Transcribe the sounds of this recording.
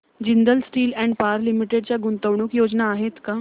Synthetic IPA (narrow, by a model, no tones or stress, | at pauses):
d͡ʒɪnd̪əlsʈiːlɛ̃ːɳɖpaːɾlɪmɪʈeɖ̚t͡ɕjaɡʊnt̪əʋɳ̃ukjoːd͡ʒnaːɦeːt̪ka